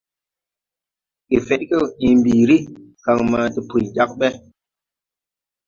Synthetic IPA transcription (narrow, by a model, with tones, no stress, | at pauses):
ki˨fe˨˦t̚kə˦˨i˨mbi˨ɾi˦ka˨ŋma˨ti˨pu˨d͡ʒa˦k̚ɓɛ˦